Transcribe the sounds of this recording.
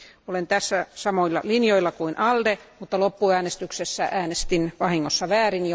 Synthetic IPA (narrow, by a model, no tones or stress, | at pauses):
olent̪æsːæsɑmoilːɑ̰linjoilːˑɑkuinʔɑldemut̪ːɑlopːuæːnest̪yksesːæʔæːnest̪inʋɑhiŋːosːɑʋæːrinj